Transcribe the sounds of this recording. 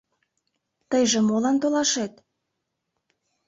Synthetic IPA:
t̪əjʒĕmolɑnt̪olɑʃet̪

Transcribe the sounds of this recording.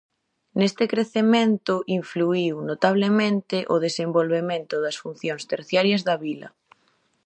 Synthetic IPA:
nest̪ɪkɾeθement̪ʊʔiɱfluiwnot̪aβ̞lemẽnt̪ɪʔoð̞esembolβemẽnt̪ʊðɐsfun̟θjoŋst̪eɾθjaɾjɐzðɐβilɐ̰

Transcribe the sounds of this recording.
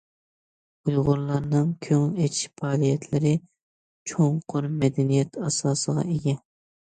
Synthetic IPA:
ujʁʊɾlˠɑɾnɨŋkʲʰøŋlet͡ʃpʰɑːlijɛt̪ʰlɪɾɪ | t͡ʃʰoŋqʰʊɾmɛd̪ɛnijɛt̪ɑsɑːsəʁɑ̰ʔeɡʲɛ

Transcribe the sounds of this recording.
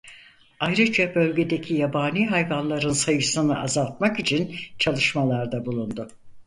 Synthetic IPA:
ajɾɯd͡ʒabølʲɟe̞d̪e̞cʰijabaːniːɦajvanlˠaɾɯnsajɯsɯnɯʔazalˠt̪̚makit͡ʃʰint͡ʃʰalˠɯʃmalˠaɾd̪abulˠund̪ʊ

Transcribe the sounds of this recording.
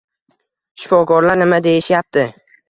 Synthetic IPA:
ʃɪ̥fɒkɒɾlaɾnɪmad̪e̞jɪʃjap̚t̪ɪ

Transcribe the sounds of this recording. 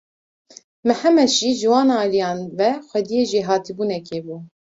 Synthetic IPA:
mɛhɛmɛʃiːʒɨwɑːnːlijɑːnvɛxʷɛd̪ijeːʒeːɦɑːt̪ʰibuːnɛkeːbuː

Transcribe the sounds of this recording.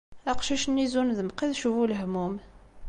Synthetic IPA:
æqʃæʃnːizunðəmqiðʃuvuləhmum

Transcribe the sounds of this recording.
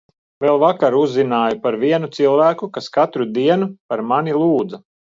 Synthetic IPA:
vɛlˠvakaɾuzːinaːjupaɾviɛnut̪silˠvæːkukaskat̪ɾud̪iɛnupaɾmanʲilˠuːd̪za

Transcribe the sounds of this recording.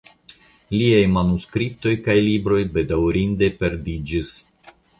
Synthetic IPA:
liajmanuskɾip̚to̞jkajlibɾo̞jbe̞dawɾinde̞pe̞ɾdid͡ʒis

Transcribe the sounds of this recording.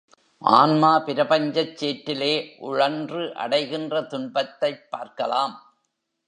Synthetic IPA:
ʔa̰ːnmaːpɪɾɐbɐɲd͡ʒɐt͡ʃːeːʈːɪleːʔʊɻɐndrɯʔɐ̰ɽɐɪɣɪndrɐt̪ʊɳbɐt̪ːɐɪpːaːɾkɐlaːm

